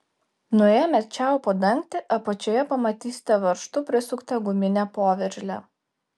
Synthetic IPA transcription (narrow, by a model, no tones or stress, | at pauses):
nʊjeːmʲɛt͡ʃʲɛˑʊpɐd̪ɐŋʲkt̪ʲɪʔɐpɐt͡ʃʲoːjɛpɐmɐt̪ʲiːsʲɪ̥t̪ʲɛʋɐɾʃt̪ʊpʲɾʲɪsʲʊkt̪ɐɡʊmʲɪnʲæpoːʋʲɛɾʲʒʲlʲæ